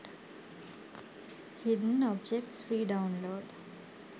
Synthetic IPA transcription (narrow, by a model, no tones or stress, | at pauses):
hɪɖən̩ɔbd͡ʒek̚ʈsfɾiːɖãʊ̃nloːɖ